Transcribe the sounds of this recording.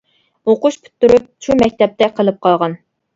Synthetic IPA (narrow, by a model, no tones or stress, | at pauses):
oqʊʃpʰy̥t̪ːyɾup̚t͡ʃʰumɛkʲt̪ɛp̚t̪ʰɛqʰəlˠɨp̚qʰɑlˠʁɑn